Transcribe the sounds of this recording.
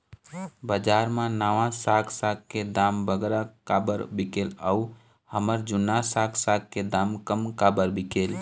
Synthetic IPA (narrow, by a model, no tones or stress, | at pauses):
bəd͡ʒaɾmãnaʋãsakʰsakked̪ambəɡɾakabəɾbikeləu | həməɾd͡ʒʊnasaksak̚ked̪amkəmkabəɾbikel